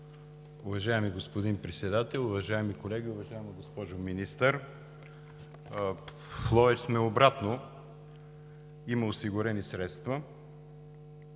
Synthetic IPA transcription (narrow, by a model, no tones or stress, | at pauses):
ʊvɐʒaɛmiɡospod̪inpɾɛt̪sɛd̪at̪ɛlˠʊvɐʒaɛmikolɛɡʲiʊvɐʒaɛmɐɡospɔʒʊminist̪əɾ | flˠɔvɛt͡ʃsmɛobɾat̪no | iməosiɡʊɾɛnisɾɛt̪st̪vɐ